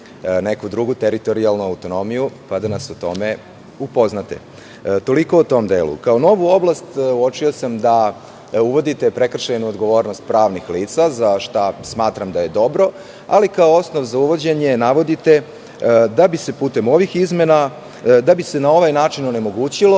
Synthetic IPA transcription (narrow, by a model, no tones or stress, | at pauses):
ne̞kud̪ɾuɡut̪eɾit̪o̞ɾialˠnuawt̪o̞no̞mijupad̪anasut̪o̞me | upo̞znat̪ḛ | t̪o̞liko̞ut̪o̞md̪eːlṵkaono̞ʋuo̞blˠast̪uot͡ʂiosamd̪a | uʋo̞d̪it̪e̞pɾe̞kr̩ʃajnuod̪ɡo̞ʋo̞ːɾnost̪̚pɾaːʋnixliːt̪sazaʃt̪asmaːt̪ɾamd̪aje̞d̪o̞bɾo̞ | alikaoo̞snoʋzauʋo̞d͡ʑeɲe̞naʋo̞d̪it̪e̞ | d̪abise̞puːt̪e̞mo̞ʋixizme̞na | d̪abise̞nao̞ʋajnaːt͡ʂinone̞mo̞ɡuːt͡ɕilo̞